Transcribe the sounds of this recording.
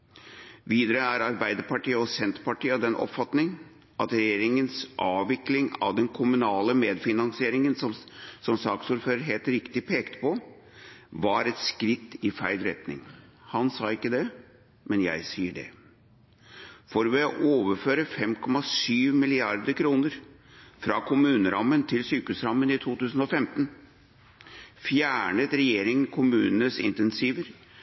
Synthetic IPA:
ʋiːd̪əɾəæɾɑɾbæɪd̪əɾpɑʈiːəɔsɛnt̪ɾpɑʈiːəd̪ɛnːʔɔ̰pfɑt̪nɪŋ | ʔɑt̪ɾɛjeːɾɪŋənsʔɑːʋɪklɪŋɑ̰ʋd̪ɛnkʰʊmʉnɑːləmeːd̪fɪnɑnsɪeːɾɪŋənsɔsɔmsɑːksuːɾføːɾəɾɦeːlt̪ɾɪkt̪ɪpʰeːkt̪pʰɔ | ʋɑɾɛt̪skɾɪt̪ːɪfæɪlɾɛt̪nɪ̰ŋhɑnsɑːɪkːəd̪ɛ | mɛnjæ̰ɪsiːəɖɛ̰ | fɔɾʋɛɔʔoːʋəɾføːɾəfɛmkʰɔmɑsyːʋmɪlɪɑɾd̪əɾkʰɾuːnəɾ | fɾɑːkʰʊmʉːnəɾʔɑmːənt̪ʰɪlsyːkəʉsɾɑmːənɪt̪ʰuːt̪ʉːsn̩ɔfɛmt̪n | fjæːɳət̪ɾɛjeːɾɪŋənkʰʊmʉːnənəsɪ̰nt̪ɛnsiːʋəɾ

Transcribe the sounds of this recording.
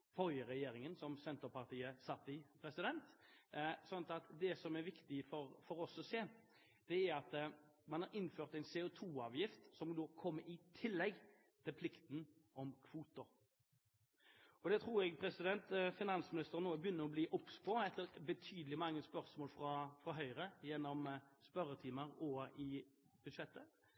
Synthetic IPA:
fɔɾjəɾɛjeːɾɪŋənsɔmsɛnt̪əpɑʁt̪ʰiːəsɑt̪ːɪpʰɾɛsɪd̪ɛnt̪ | sɔnt̪ɑt̪d̪ɛsɔmæɾʋɪkt̪ɪfɔɾfɔɾɔsɔseː | d̪̥ɛæɾɑt̪mɑnhɑɾɪnːføːʁt̪æɪnsɛːɔt̪ʰuːɑːʋjɪft̪sɔmd̪oːkʰɔmːəɪt̪ʰɪlːɛɡ | t̪ʰɪlpʰlɪkt̪nʔɔmkʰʋuːt̪ʊɾ | ɔd̪ɛt̪ʰʁuːɾɛɡpʰɾɛsɪd̪ɛnt̪fɪnɑnsmɪnɪst̪əʁnoːbjʏnːəɾɔbliːʔɔpspoːɛt̪ːəɾbət̪ʰyːd̪əlɪmɑŋːəspœʁsmoːlfɾɑfʁɑɦœʏɾəjɛnːɔmspœɾːət̪ʰiːməɾɔɪ | b̥ʉd̪ʂɛt̪ːə

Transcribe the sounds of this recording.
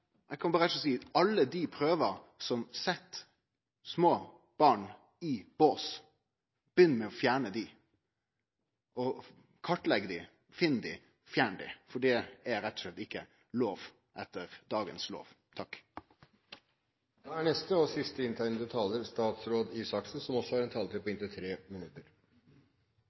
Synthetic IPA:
ɛkʰɑnbɑɾɔsiːɑlːəd̪ipʰɾøːʋəɾsɔmsɛt̪ː | smoː | b̥ɑːɳ | ɪb̥oːs | b̥jʏnːəmɛɔfjæːɳəd̪ɪ | ʔɔ | kʰɑʈːlɛɡːəd̪ɪ | fɪnːd̪ɪ | fjæːɳəɖ̪ɪ̰fɔɖɛæɾɛt̪ːɔslɛt̪ːɪkːə | loːʋ | ʔɛt̪ːəɾd̪ɑːɡənslo̰ːʋ | t̪ʰɑk | d̪̥ɑæɳɛst̪əɔsɪst̪əɪnt̪ʰæɪnəd̪ʉt̪ʰɑːləɾst̪ɑːt̪sɾoːd̪ɪsɑksn̩sɔmɔsːɔhɑɾɛnt̪ʰɑːlt̪ɪpɔɪnt̪ət̪ʰɾeːmɪnʉt̪əɾ

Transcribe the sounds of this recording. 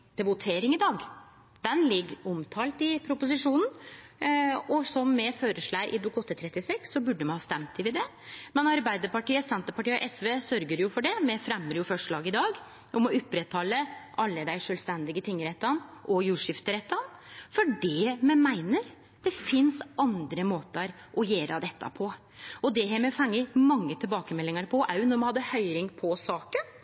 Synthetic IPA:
t̪ʰɪlʋʊt̪ʰeːɾɪŋɪd̪ɑːɡ | d̪̥ɛnlɪɡɔmt̪ʰɑːlt̪ɪpʰɾʊpʊs̬ɪʂuːnən̩ | ɔsɔmːɛføːɾəʂɭæʔɪ̰d̪luːkɔt̪ːət̪ʰɾɛt̪ːɪsɛksːɔbʉɖːəmɛnhɑːst̪ɛmt̪t̪ʰːɪlʋɪd̪ɛ | mɛnɑɾbæɪd̪əɾpɑʈiːəsɛnt̪əpɑʈiːʔɛsʋeːsœɾɡəɾjʊfɔɖɛmɛfɾɛmːəɾjʊfœʂɭɑːɡɪd̪ɑːɡ | ʔɔmɔʉpːɾɛt̪ʰhɑlːəʔɑlːəd̪æɪʂœːlst̪ɛnd̪ɪɡət̪ʰɪŋːɾɛt̪ːɑnʔɔjuːʂɪft̪əɾɛt̪ːɑnfɔɖɛmɛnmæɪnəɾ | d̪̥ɛfɪnsɑnd̪ɾəmoːt̪əɾ | ʔɔjeːɾʔɑd̪ɛt̪ːɑ̰pʰɔ | ɔd̪ɛɦæɾmɛfɑŋːəmɑŋːət̪ʰɪlbɑːkəmɛlːɪŋəɾpʰɔʔɑʉʊnɔɾmɑnhɑd̪ːəhœʏɾɪŋpʰɔsɑːkən

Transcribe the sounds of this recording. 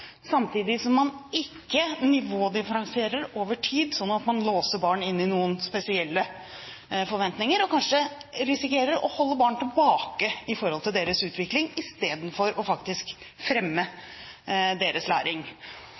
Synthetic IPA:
sɑmt̪ʰiːd̪ɪsɔmːɑnɪkːənɪʋoːd̪ɪfəɾɑŋsɪeːɾəɾoːʋəʈʰiːd̪sɔnːɑt̪mɑnloːsəbɑːɳɪnːɪnuːənspɛsɪɛlːə | fɔɾʋɛnt̪nɪŋəɾɔkʰɑnʂə | ɾɪsɪkeːɾəɾɔ̰hɔlːəbɑːɳʈ̪ʰɪlbɑːkəɪfɔɾhɔlt̪ʰɪld̪eːɾəsʉːt̪ʰʋɪklɪŋɪst̪eːd̪n̩fɔɾɔfɑkt̪ɪsk | fɾɛmːə | d̪eːɾəslæ̰ːɾɪŋ

